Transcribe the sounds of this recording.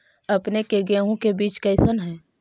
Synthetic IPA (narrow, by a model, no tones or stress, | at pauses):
ɐpnekeɡɛːɦõkebiːt͡ʃkɐɪsənɦɛ̃ː